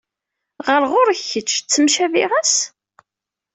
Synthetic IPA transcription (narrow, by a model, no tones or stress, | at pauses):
ʁəɾʁʊɾçːət͡ʃːt͡sːəmʃæviʁæs